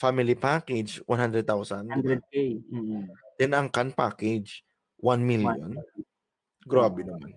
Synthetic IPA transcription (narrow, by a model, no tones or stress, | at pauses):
famɪlipaːkɛd͡ʒwʔa̰nhand̪ɾɛd̪̚t̪awsɐnd̪ɾɛ | d̪̥ɛnɐŋkanpa̰ːkɛd͡ʒ | wanmiljo̰n | ɡɾaːbɛnɐman